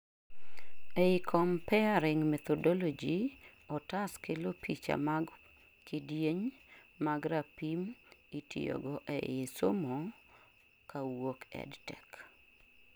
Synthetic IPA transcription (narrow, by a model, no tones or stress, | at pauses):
eɪkʰɔmpɛaɾɪŋmɛt̪ɔdɔlod͡ʒiɔtaskelopʰit͡ʃa̰maɡ | kɪdjeɲmaɡɾapimitʰḭjo̰ɡɔʔɛ̰jesomo | kawokɛ̰dtɛk